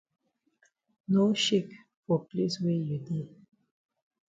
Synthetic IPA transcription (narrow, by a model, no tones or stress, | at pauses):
noʃek | fɔpleswejudi